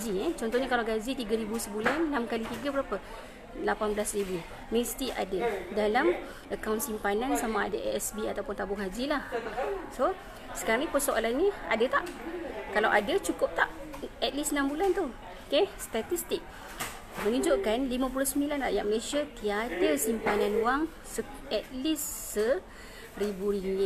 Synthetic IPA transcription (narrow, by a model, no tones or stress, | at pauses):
d͡ʒiɛt͡ʃɔnt̪ɔhɲakalawɡazit̪iɡaɾibusəbulanːamkalit̪iɡabəɾapə | lapanbəlasribi | mist̪iʔa̰dadalam | ʔəkawnsimpanãnsamaːdaʔɛ̰ʔɛsbiat̪awpʊnt̪abʊŋɦad͡ʒilahso | sə̥kaɾaŋɲĩpəsoʔalanɲiadat̪aʔkalawʔadat͡ʃukʊp̚t̪aʔɛt̪̚lisnambulant̪u | kest̪at̪ist̪ik̚ | mə̃nũd͡ʒoʔkanlimãp̬ulʊhsəmbilanraʔja̰ʔ̚məlesjat̪iat̪ərsimpananwaŋ | sə | ɛt̪̚lisːə | ribuɾiŋe